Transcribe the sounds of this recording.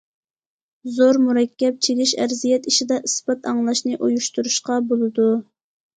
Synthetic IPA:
zoɾmuɾɛkʲʰːɛp̚t͡ʃʰeɡʲiʃæ̰ɾzijɛt̪iʃid̪ɛʔɨsbɑt̪ʰɑŋlˠɑʃnɨʔujuʃt̪uɾuʃqɑbolˠɨd̪u

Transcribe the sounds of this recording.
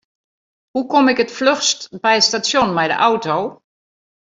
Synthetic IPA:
hukɔmɪkətfløxstbɛjəstasjonmɛjdə̰ʔawtow

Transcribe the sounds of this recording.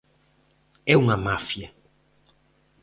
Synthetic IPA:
ɛuŋɐmafjɐ

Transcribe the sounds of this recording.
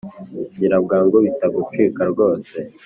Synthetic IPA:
iɟiɾabɡaːŋɡoβitaɡut͡ʃikaɾɡo̞ːse̞

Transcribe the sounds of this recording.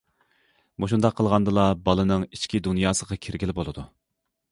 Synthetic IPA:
muʃund̪ɑqʰːəlˠʁɑnd̪ɨlˠɑbɑlˠɨnɨŋit͡ʃkʲid̪unjɑːsəʁɑkʲʰiɾɡʲilɪbolˠɨd̪u

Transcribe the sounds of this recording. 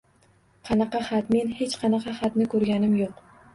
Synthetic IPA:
qʰɑnɑqɑχat̪me̞nhe̞t͡ʃqʰɑnɑqʰɑχat̪nɪkʰɵɾɡʲanɪmjoq

